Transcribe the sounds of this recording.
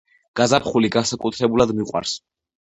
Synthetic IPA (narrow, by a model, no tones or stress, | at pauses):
ɡ̥azapχuliɡansakʼut̪ʰɾɛbulad̪miqʼwa̰ɾs